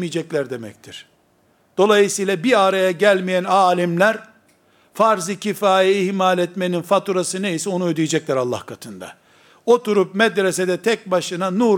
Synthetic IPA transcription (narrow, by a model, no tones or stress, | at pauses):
mijd͡ʒɛclʲæɾd̪e̞mɛ̰ct̪ʰiɾ̥ | d̪̥o̞lˠajɯsɯjlˠabiaɾajaɟælʲmijænaːlʲimlʲæɾ | faɾzicʰifaːjɛihmalʲɛt̪meninfat̪uɾasɯnejisɛo̞nuød̪ijed͡ʒɛclʲæɾalˠːa̰hkʰat̪ʰɯnd̪a̰ | o̞t̪ʰuɾup̚mɛd̪ɾesɛd̪ɛt̪ʰɛc̚baʃɯnanu